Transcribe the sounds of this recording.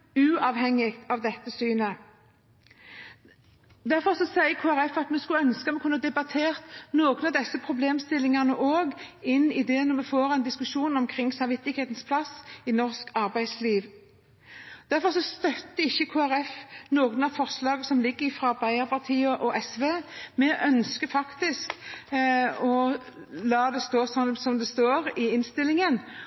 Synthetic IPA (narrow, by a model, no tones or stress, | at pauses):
ʉːɑʋhɛŋːɪɡt̪ɑʋd̪ɛt̪ːəsyːnə | d̪æʁfɔʁsɔsæɪəkʰoːæɾɛfɑt̪mɛskʉœnskəɑmɛkʰʉnːəd̪ɛbɑt̪ʰeːʁt̪noːɡənɑʋd̪ɛsːəpʰʁʊbleːmst̪ɪlɪŋɑʁnəʔoːɡ | ɪnːɪd̪ɛnɔmɛfoːʁɛɪnd̪ɪskʉʂuːnɔmkʰʁɪŋsɑmʋɪt̪ːɪkheːt̪nspʰlɑsɪnɔʁskɑɾbæɪd̪sliːʋ | d̪̥æɾfɔʁsɔst̪œt̪ːəɪçːəkʰoːæɾɛfnoːɡənɑfɔʁslɑːɡəsɔmlɪɡːəɾɪfɾɑɾbæɪəɾpʰɑʁt̪ʰiːəʔɔʔɛsʋeːmɛʔœnskəfɑkt̪ɪsk | ɔ | lɑːd̪ɛst̪oːsɔnsɔmd̪ɛst̪oːɾɪɪnst̪ɪlːɪŋən